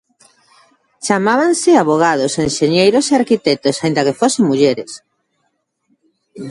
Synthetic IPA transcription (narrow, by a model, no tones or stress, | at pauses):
t͡ʃamaβansɪaβoɣ̞að̞osenʃeɲejɾoseaɾkit̪ɛt̪osaind̪ɐkefoseŋmuʎeɾes